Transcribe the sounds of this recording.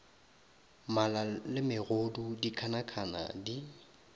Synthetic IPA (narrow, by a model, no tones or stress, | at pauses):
malalɪmɪɣodudikʰanakʰana̰di